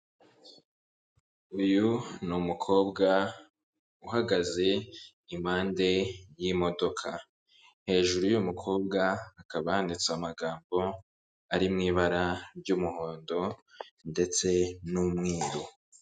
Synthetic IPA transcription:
ujunumukʰo̞ːbɡa | uɦaɡaze̞ | imaːnde̞jimo̞do̞kʰa | he̞ːʒuɾujumukʰo̞ːbɡaːkaβaandit͡samaɡaːmbo̞ | aɾimŋiːβaɾaɾɟuːmuho̞ːndo̞nde̞t͡se̞numŋiːɾo

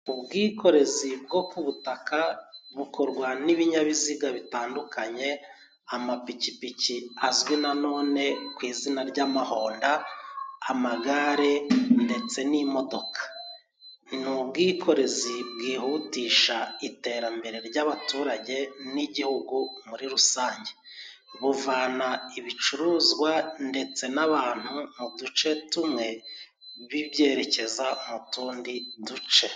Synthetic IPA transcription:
ubɡiːko̞ɾe̞zib̚ɡo̞kuβutakaβuko̞ɾɡwaniβiɲaβiziɡaβitaːndukaɲe̞ | amapicipiciazɡwinano̞ːne̞kwiːzinaɾɟaːmaho̞ːndaː | maɡaɾende̞t͡se̞nimo̞do̞kḁ | nubɡiːkʰo̞ɾe̞zibɡiːhuːtiːʃaite̞ːɾambe̞ɾe̞ɾɟaβatuːɾaɟe̞niɟihuɡumuɾiɾusaːɲɟe̞ | βuvanaiβit͡ʃuɾuːzɡwande̞t͡se̞naβaːn̥humudut͡ʃe̞tumŋe̞ | βiβje̞ːɾe̞ce̞zamutuːndidut͡ʃe̞

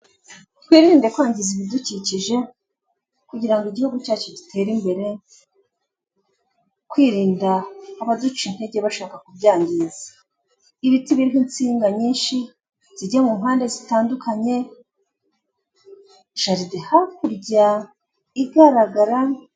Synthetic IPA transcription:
tkwiːɾiːndekwaːɲɟiziβiduciciʒe̞ | kuɟiɾaŋɡoiɟihuɡucaːt͡ʃo̞ɟitʰe̞ːɾimbe̞ɾe̞ | kwiːɾiːndaːβadut͡ʃin̥he̞ɟe̞βaʃaːkakubɟaːɲɡiːzḁ | iβitiβiɾiɦint͡siːŋɡaɲiːnʃi | z̥iɟemumɦaːnde̞zitaːndukaɲe̞ | ʃaɾidehakuɾɟa | iɡaɾaɡaɾa

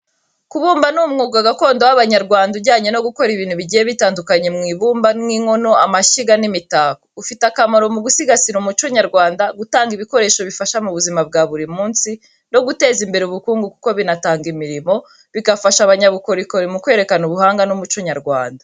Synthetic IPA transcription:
kuβuːmbanumŋuɡaɡako̞ːndowaβaɲaɾɡwaːndubɟaːɲe̞no̞ɡuko̞ɾiβiːnhuβiɟijeβitaːndukaɲemŋiːβuːmbaŋiŋo̞no̞a̰maʃiɡanimitaːkoɡufitakamaɾo̞muɡusiɡasiɾumut͡ʃoɲaɾɡwaːndaɡutaːŋɡiβiko̞ɾe̞ːʃo̞βifaʃamuβuzimab̚ɡaβuɾimuːnsi | no̞ɡute̞ːzimbe̞ɾeuβukuːŋɡuku̥ko̞βinataːŋɡimiɾimo̞ | βikafaʃaβaɲaβuko̞ɾiko̞ɾimukwe̞ːɾe̞kanuβuhaːŋɡanumut͡ʃoɲaɾɡwa̰ːnda

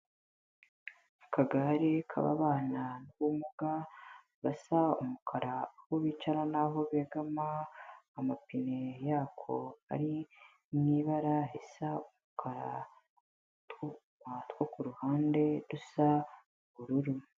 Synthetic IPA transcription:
ukaɡaɾekʰa̰βa̰βaːnanuβumuɡa | βasaumukʰaɾahoβiːt͡ʃananaɦo̞βeɡamaː | mapine̞jaːkʰo̞̰a̰ɾi | mŋiːβaɾaɦesaumukʰaɾa̰ | tu | matwokuɾuhaːnde̞ɾusa | βuɾuɾu

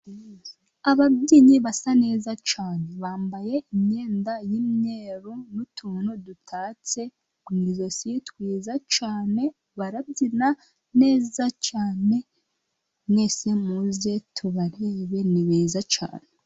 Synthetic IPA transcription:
aβabɟiːɲiβasane̞ːzat͡ʃaːne̞βaːmbaje̞imɲe̞ːndajimɲe̞ːɾunutʰuːnudutʰaːt͡se̞ | ɡwiːzo̞sitkwiːzat͡ʃaːne̞ | βaɾabɟina | ne̞ːzat͡ʃaːne̞ | mŋe̞semuzetʰuβaɾe̞ːβe̞niβeːzat͡ʃa̰ːne

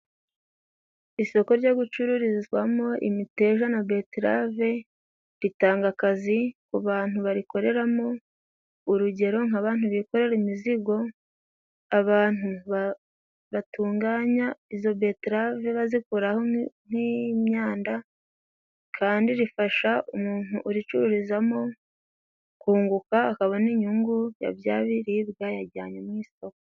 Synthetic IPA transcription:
iso̞ko̞ɾɟoɡut͡ʃuɾuɾizɡwamo̞ʔḭmite̞ːʒanabe̞tɾa̰ve̞ | ɾitaːŋɡakazikuβaːn̥huβaɾiko̞ɾe̞ɾamo̞ | uɾuɟe̞ɾo̞ŋaβaːnhuβiko̞ɾe̞ɾimiziɡo̞ | aβaːn̥huβa | βatuːŋɡaːɲaizo̞betɾaveβazikuɾaho̞n̥imɲaːnda | kʰaːndiɾifaʃaumuːn̥uʔːɾit͡ʃuɾuɾizamo̞ | kuːŋɡukaːkaβoniɲuŋɡuja̰βja̰ːβiɾiβɡajaɟaːɲomŋiːso̞kḁ

